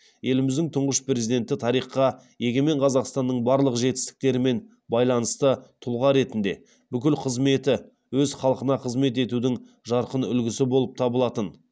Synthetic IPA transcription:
je̞lɪmɪzd̪ɪŋt̪ʰʊɴʁəʃpɾe̞zid̪e̞nt̪ɪt̪ʰɑɾijχɑ | je̞ɡʲeme̞ɴqʰɑzɑqst̪ɑnːəɴbɑɾlˠəqʒe̞t̪ɪ̥st̪ɪ̥k̚t̪e̞ɾɪme̞n | bɑjlˠɑnəst̪ət̪ʰʊlˠʁɑɾe̞t̪ɪnd̪e̞̰ | b̥ʏkʲɪlqʰəzme̞t̪ɪ | wɵzχɑlˠəqənɑqʰəzme̞t̪e̞t̪ud̪ɪŋ | ʒɑɾqənʏlɡʲɪsɪbo̞lˠəp̚t̪ʰɑbəlˠɑt̪ən

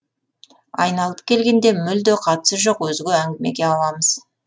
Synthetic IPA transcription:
ɑ̰jnɑlˠəp̚kʲʰe̞lɡʲe̞nd̪e̞mʏld̪eqʰɑt̪ə̥səʒo̞qwɵzɪɡʲeæŋɡʲɪme̞̰ɡʲe̞ɑlˠɑməz̥

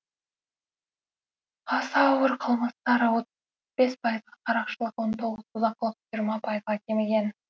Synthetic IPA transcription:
qʰɑsɑːwəɾqʰəlˠməst̪ɑɾəwot̪ | be̞spʰɑjəzʁɑqʰɑɾɑqʃəlˠəqwont̪ʰo̞ʁəz̥ʰʊzɑqːəlˠəqʒijɾmɑpʰɑjəzʁɑkʲʰemeɡʲe̞n

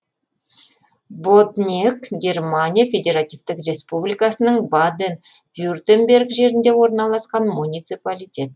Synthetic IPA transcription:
bod̪nʲiekɡʲe̞rmanʲijafʲe̞d̪ʲe̞ɾat̪ijvt̪ɪkrʲe̞spublijkasənəɴbad̪en | vʲjurd̪embʲe̞rɡʒe̞ɾɪnd̪e̞wo̞ɾnɑlˠɑsqɑnmunʲijt̪sɨpalʲijtʲe̞t̪

